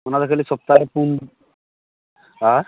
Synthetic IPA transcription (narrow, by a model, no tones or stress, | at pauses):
mənad̪akʰalisɔp̚t̪aɾpun | a